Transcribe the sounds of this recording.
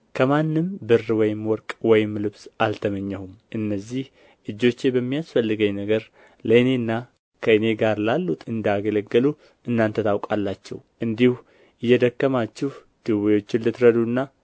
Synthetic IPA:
kʰəmanːɨmbɨrːwɔjɪmwɔɾkʼwɔjɪmlɨβsʔalt̪ʰəməɲːɛhumʔɨnːəzːih | ʔɨd͡ʒːo̞t͡ʃːebəmːijasfəlːɨɡəɲnəɡəɾ | ləɨne̞nːa | kʰəɨne̞ɡaɾlalːut̪ɨnd̪aɡələɡəlu | ɨnːant̪ʰət̪ʰawkʼalːat͡ʃːɛ̰wʔɨnd̪ihu | ɪjːɛd̪əkːəmat͡ʃːɪh | d̪̥ɨwijo̞t͡ʃːɪnlɨt̪ɾəd̪unːa

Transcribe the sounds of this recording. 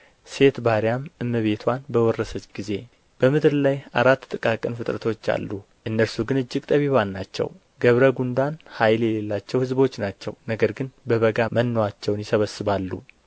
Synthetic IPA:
se̞t̪baɾijamɨmːɨβe̞t̪ʰwanbəwɔrːəsət͡ʃʼɡize̞ | b̥əmɨd̪ɾlaja̰ɾat̪ːt̪ʼɨkʼakʼənfɨt̪ʼɾə̰t̪ʰo̞t͡ʃːa̰lːu | ʔɨnːəɾsuɡɨnɨd͡ʒːɪɡt̪ʼəβiβanːat͡ʃːɛ̰w | ɡəβɾəɡund̪anhajljɛle̞lːat͡ʃːɛwhɨzbo̞t͡ʃːnat͡ʃːɛ̰wnəɡəɾɡɨnbəβəɡamənːowat͡ʃːɛwnjɪsəβəsːɨβalːṵ

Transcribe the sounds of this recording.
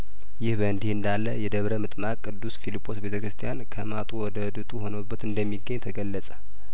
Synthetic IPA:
jɪhbəɨnd̪ihɨnd̪alːəjɛd̪əβɾəmɨt̪ʼmakʼːɨd̪ːusfilipʰʼːo̞sbe̞t̪ʰəkɾɨst̪ʰijankʰəmat̪ʼuwɔd̪əɨd̪ɨt̪ʼuho̞nəbːət̪ɨnd̪əmːiɡːəɲːt̪ʰəɡəlːəsʼə̥

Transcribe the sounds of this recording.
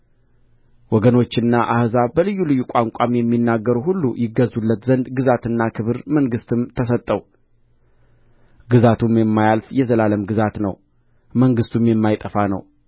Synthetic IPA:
wɔɡəno̞t͡ʃːɪnːaʔahzabəlɨjːulɨjːukʷʼaŋkʷʼamjɛmːinːaɡːəɾuhulːujɪɡːəzːulːət̪zənd̪ɡɨzat̪ɨnːakʰɨβɨɾməŋɡɨst̪ɨmt̪ʰəs̬ət̪ʼːəw | ɡɨzat̪ʰumjɛmːajalfjɛzəlaləmɡɨzat̪nə̰w | məŋɡɨst̪ʰumjɛmːajt̪ʼəfanə̰w

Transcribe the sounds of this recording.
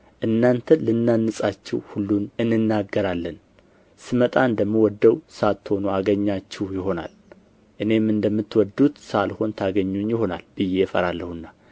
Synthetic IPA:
ʔɨnːant̪ʰəlɨnːanːɨsʼat͡ʃːɪwhulːunɨnːɨnːaɡːəɾalːən | sɨmət̪ʼaɨnd̪əmːiwɔd̪ːəwsat̪ːho̞nuaɡəɲːat͡ʃːɪhjɪɦo̞na̰l | ʔɨne̞mɨnd̪əmːɨt̪ːwɔd̪ːut̪salho̞nt̪ʰaɡəɲːunjɪho̞na̰lb̥ɨje̞fə̰ɾalːəhɨnːa

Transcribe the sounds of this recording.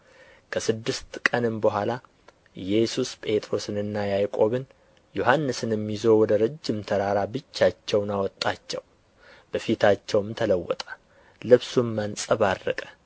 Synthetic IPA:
kʰəsɨd̪ːɨst̪kʼənɨmbəɦʷala | ɨjɛsuspʼe̞t̪ʼɾo̞sɨnɨnːajajkʼo̞βɨn | joɦanːɨsɨnjɛmːizowwɔd̪əɾɨd͡ʒːɪmt̪ʰəɾaɾabɨt͡ʃːat͡ʃːɛwnawɔt̪ʼːat͡ʃːɛw | b̥əfit̪ʰat͡ʃːɛwɨmt̪ʰələwːɔ̰t̪ʼə̥ | lɨβsumːansʼəβarːəkʼə̥

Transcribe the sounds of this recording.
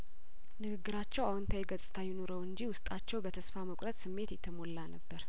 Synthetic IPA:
nɨɡɨɡːɨɾat͡ʃːɛwawnt̪ʰajɡət͡sʼɨ̥t̪ʰajɪnoɾəwɨnd͡ʒiwʊst̪ʼat͡ʃːɛwbət̪ʰəsfaməkʼɾət̪ʼsɨmːe̞t̪jɛt̪ʰːəmo̞lːanəbːəɾ

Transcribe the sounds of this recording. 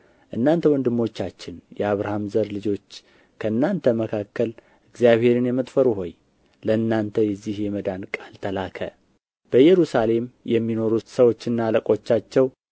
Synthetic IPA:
ʔɨnːant̪ʰəwɔnd̪ɨmːo̞t͡ʃːat͡ʃːɪnjɛaβɾahamzəɾlɨd͡ʒo̞t͡ʃː | kʰəɨnːant̪ʰəməkʰakːəl | ʔɨɡzijaβhe̞ɾɨnjɛmət̪ʼfəɾuɦo̞j | ləɨnːant̪ʰəjɛzːihjɛməd̪ankʼalt̪ʰəlakʰə̰ | b̥əjɛɾusale̞mjɛmːino̞ɾut̪səwo̞t͡ʃːɨnːaləkʼo̞t͡ʃːat͡ʃːɛw

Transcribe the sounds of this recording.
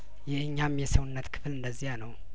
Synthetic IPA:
jɛhɨɲːamjɛsəwʊnːət̪kʰɨ̥flɨnd̪əzːihanəw

